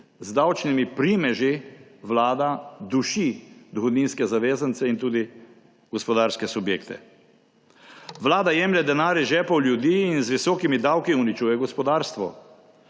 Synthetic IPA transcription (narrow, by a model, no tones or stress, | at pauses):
zd̪awt͡ʃnimipɾimɛʒiʋlaːd̪ad̪uʃid̪ɔxɔd̪niːnskɛzaʋeːzənt̪sɛint̪uːd̪i | ɡɔspɔd̪aːɾskɛsubjeːkt̪ɛ̰ | ʋlaːd̪ajɛːmlʲɛd̪ɛnaːɾjɛʒɛːpɔwlʲjud̪iːnzʋisɔːkimid̪awkiunit͡ʃuːjɛɡɔspɔd̪aːɾst̪ʋɔ